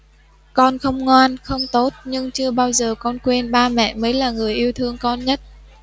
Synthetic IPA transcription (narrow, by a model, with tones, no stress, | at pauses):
kɔ˧nxə˧wŋ͡mŋwaː˧nxə˧wŋ͡mt̪o˦˥t̚ɲɨ˧ŋt͡ɕɨ˧əɓaː˧wzəː˨˩kɔ˧nkwe˧nɓaː˧mɛ̰˧˨məː˨˦jlaː˨˩ŋɨ˨˩əjʔi˧əwt̪ʰɨ˧əŋkɔ˧nɲə˦˥t̚